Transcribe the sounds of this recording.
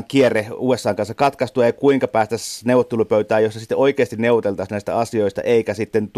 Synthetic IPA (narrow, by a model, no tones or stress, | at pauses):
ŋkiereuːesːɑːŋkɑnsɑkɑt̪kɑst̪uɑjkuiŋkɑpæːst̪æsnewʋˑot̪ːelupøyt̪æːjosːɑsit̪ːeoikeːst̪inneuʋˑot̪elt̪ɑsnæˑist̪æ̰ɑsioist̪ɑ̰ʔeˑikæsit̪ːent̪